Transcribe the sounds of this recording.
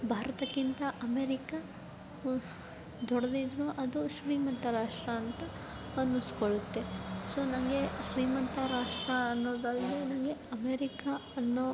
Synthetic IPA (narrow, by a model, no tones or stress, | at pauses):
bʱaːɾɐt̪ɐkːint̪ɐʔɐmeːɾikɐ | d̪ʱɔɽɐd̪id̪ɾuʔɐd̪uʃɾiːmɐnt̪ɐɾaːʂʈɾɐːnt̪ɐ | ɐnːuskoɭut̪ːe̞soːnɐŋɡe̞ʃɾiːmɐnt̪ɐɾaːʂʈɾɐːnːoːd̪ɐlɡenɐŋɡe̞ɐmeːɾikaɐnːo